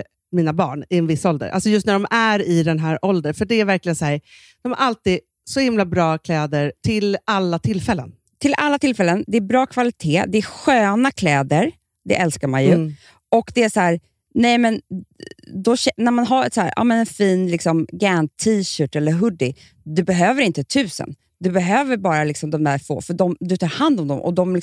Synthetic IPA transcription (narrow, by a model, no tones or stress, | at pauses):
miːnabɑːɳɪɛnvɪsːɔld̪ə̰ɾʔa̰lsɔjɵst̪næɖɔmæɾɪd̪ɛnɦæːɾʔɔld̪əɾfœɖɛæɾvæɾklɪɡənshæːɾ | d̪̥ɔmha̰ɾʔalt̪iːd̪ | sɔhɪmlabɾɑːkʰlɛːd̪əɾt̪ʰɪlalːat̪ʰɪlfɛlːə̰n | t̪ʰɪlʔalːat̪ʰɪlfɛlːənd̪ɛæbɾɑːkʰvalɪt̪ʰeːd̪ɛæɧøːnakʰlɛːd̪əɾ | d̪ɛ̰ʔɛlskaɾmanjɵ | ɔkd̪ɛæsɔhæːɾ | nɛjmɛn | d̪ɔɕɛnæɾmanɦaɾɛsæːɾʔɑ̰ːmɛnɛnfiːnlɪksɔmɡɛnt̪ʰiːɕœːʈɛlːəɾɦɵd̪ːɪ | d̪ɵbɛɦøːvəɾɪnt̪ət̪ʰʉ̟ːsə̰n | d̪ɵbɛɦøːvəɾbɑːɾalɪksɔmd̪ɔmd̪æɾfo̰ːfœɖɔmd̪ɵt̪ʰɑːɾhand̪ɔmd̪ɔ̰mʔɔ̰d̪ɔml